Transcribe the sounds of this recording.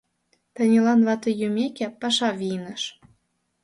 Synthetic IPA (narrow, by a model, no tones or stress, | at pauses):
t̪ə̆nʲelɑnβɑt̪ɤ̆jumekʲæpɑʃɑvinə̆ʃ